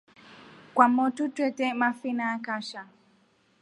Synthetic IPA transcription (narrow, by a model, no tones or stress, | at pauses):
kwamɔtutwɛtɛmafinaːkaʃa